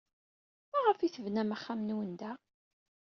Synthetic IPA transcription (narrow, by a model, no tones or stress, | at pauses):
mæʁəfiθəvnæmæχːamnwənd̪æ